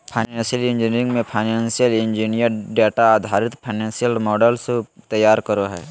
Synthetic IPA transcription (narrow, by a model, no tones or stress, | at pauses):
pʰaɪnẽːnsijəlɪ̃nd͡ʒinɾɪ̃ŋɡmẽpʰaɪnɛ̃ːnsijəlɪ̃nd͡ʒinijəɾɖeːʈaaːd̪ʱaːɾɪt̪pʰaɪnɛ̃ːnsijəlmɔːɖəlset̪əjːaːɾkəɾoɦɛ̰ː